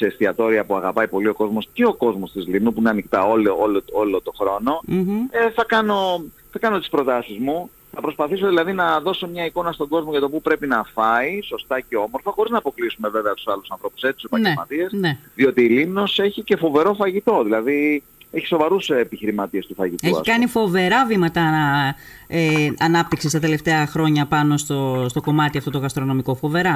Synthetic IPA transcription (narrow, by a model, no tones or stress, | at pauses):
sest̪iɐt̪o̞ɾiɐpuɐɣɐpɐipo̞lio̞ko̞zmo̞sceo̞ko̞zmo̞st̪izlimnupuineɐnikt̪ɐololoolo̞t̪o̞xɾo̞no̞eθɐkɐno̞ | θɐkɐno̞t̪ispɾo̞t̪ɐsizmu | θɐpɾo̞spɐθisoðilɐðinɐðo̞so̞mɲɐiko̞nɐst̪o̞ɡo̞zmo̞ʝɐt̪o̞pupɾe̞pinɐfɐiso̞st̪ɐceo̞mo̞ɾfɐxo̞ɾiznɐːpo̞klisume̞ve̞veɐt̪u̥sɐlusɐnθɾo̞pu̥se̞t͡s̪isopɐjeɾmɐ̰t̪iesnðio̞t̪iːlimno̞se̞çice̞fo̞ve̞ɾo̞fɐʝit̪o̞ðilɐði | eçi̥so̞vɐɾusepiçiɾimɐt̪ie̞st̪ufɐʝit̪eçɐḭskɐnifo̞ve̞ɾɐvimɐt̪ɐ | eɐnɐp̚t̪iksist̪ɐt̪e̞le̞ft̪e̞ɐxɾo̞ɲɐpɐno̞st̪ost̪o̞ko̞mɐt̪iɐft̪o̞t̪oɣɐst̪ɾo̞no̞miko̞fo̞ve̞ɾɐ